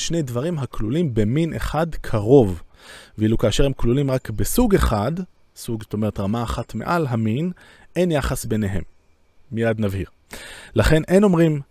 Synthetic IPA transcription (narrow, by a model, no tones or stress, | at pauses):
ʃne̞jdvaʁimɦaklulimbe̞minʔḛχadkʰaʁo̞vveilukaːʃe̞ʁhe̞mklulimʁakbesuɡe̞χad̪ | suɡst̪o̞me̞etʁamaːχat̪me̞̰ʔalɦamin | e̞njaχasbene̞ɦe̞̰mː | ijad̪navhiʁ | laχe̞nʔe̞no̞mʁim